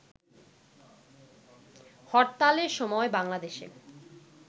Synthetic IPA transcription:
hɔɾt̪aleɾʃɔmɔebaŋlad̪eʃḛ

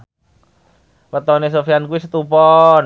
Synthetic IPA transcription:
pət̪ɔnes̬ofiankuwisət̪upɔn

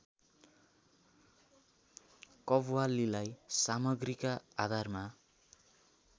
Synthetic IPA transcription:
kʌbwalilajsamʌɡrikaːd̪ʱarma

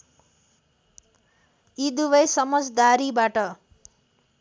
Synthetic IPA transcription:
id̪ubʌjsʌmʌd͡zd̪aɾibaʈʌ

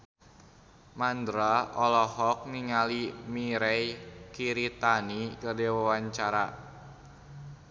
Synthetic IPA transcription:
mand̪ɾaɔlɔɦɔk̚ŋiŋalimiɾɛjkiɾit̪anikərdewawaɲt͡ʃaɾa̰

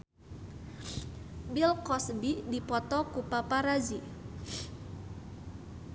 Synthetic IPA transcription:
bilkɔsbidipɔt̪ɔkupapaɾazi

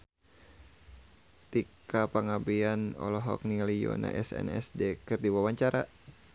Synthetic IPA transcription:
t̪ikapaŋabianɔ̰lɔɦɔk̚nilijɔ̰na̰ʔɛsɛ̰nɛsdɛkɨrdiwawaɲt͡ʃaɾa

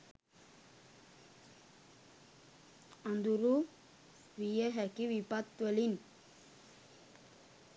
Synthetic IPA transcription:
and̪uɾu | wijeɦɛkiwipat̪ːuelin

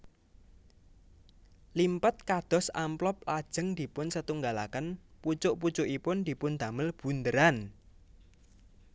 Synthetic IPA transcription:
limpət̪̚kad̪̥ɔ̤samplɔp̚lad̥ʒ̥ə̤ŋd̪̥i̤pʊnsət̪uŋɡala̰kənput͡ʃʊʔput͡ʃʊʔipʊnd̪̥i̤pʊnd̪̥a̤məlb̥ṳnd̪əɾan

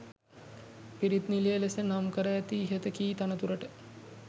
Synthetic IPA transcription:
piɾit̪nilijəlesənamkəɾəjæt̪iːɦət̪əkiːt̪anət̪uɾəʈə

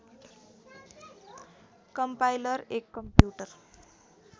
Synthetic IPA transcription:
kʌmpajlʌɾekːʌmpjuʈʌr

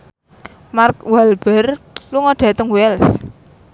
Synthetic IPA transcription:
markwalb̥ərluŋɔɖ̪̥ä̤t̪əŋwɛls

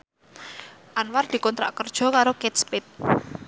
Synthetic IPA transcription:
ʔanward̪̥i̤kɔnt̪ɾa̰ʔkərd̥ʒ̥ɔ̤kaɾoket̪̚spet̪̚

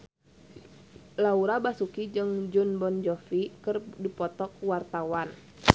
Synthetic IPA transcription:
lauɾabasukid͡ʒɨŋd͡ʒunbɔnd͡ʒɔfikərdipɔt̪ɔk̚wart̪awan

